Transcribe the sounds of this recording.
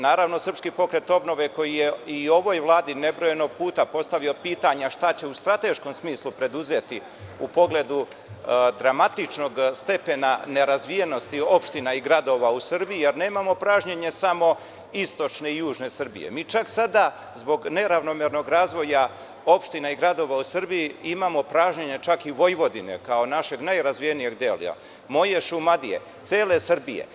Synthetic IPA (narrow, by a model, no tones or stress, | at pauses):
naːɾaʋno̞sr̩pskipo̞kɾe̞t̪o̞bno̞ʋe̞ko̞jijeio̞ʋo̞jʋlˠaːd̪ine̞bɾo̞jeno̞ɡ̚puːt̪apo̞st̪aʋio̞piːt̪aɲaʃt̪at͡ɕe̞ust̪ɾat̪e̞ʃko̞msmiːslupɾe̞d̪uze̞t̪i | upo̞ɡle̞d̪u | d̪ɾamat̪it͡ʃno̞ɡst̪e̞pe̞nane̞ɾazʋijeno̞st̪io̞pʃt̪inaiɡɾad̪o̞ːʋausr̩bijijeɾne̞ːmamo̞pɾaːʒɲeɲe̞samo̞ | ist̪o̞t͡ʃne̞ijuːʒne̞sr̩bḭje̞̰miːt͡ʃaksad̪a | zbo̞ɡne̞ɾaʋno̞meɾno̞ɡɾaːzʋo̞ja | o̞pʃt̪inaiɡɾad̪o̞ʋausr̩bijiimamo̞pɾaːʒɲeɲet͡ʃakiʋo̞jʋo̞d̪ine̞̰kao̞naʃe̞ɡnajɾazʋijenije̞ɡd̪el̰a̰ | mo̞je̞ʃumad̪ije̞̰ | t̪seːle̞srbijḛ